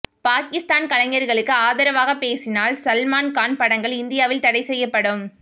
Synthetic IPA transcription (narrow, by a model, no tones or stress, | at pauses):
paːkɪst̪aːnkɐlɐŋɐɾɣɐɭɯkːɯaːðɐɾɐʋaːɣɐpeːsɪnaːlsɐlmaːnkaːnpɐɽɐŋɡɐɭɪnd̪ɪjaːʋɪlt̪ɐɽɐɪsɛjːɐpːɐɽɯm